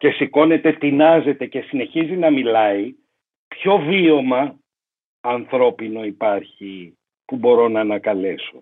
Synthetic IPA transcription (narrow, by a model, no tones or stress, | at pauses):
ce̞siko̞ne̞t̪e̞t̪inɐze̞t̪e̞ce̞sine̞çizinɐmilɐi | pço̞vio̞mɐː | nθɾo̞pino̞ipɐɾçi | pubo̞ɾo̞nɐːnɐkɐle̞so̞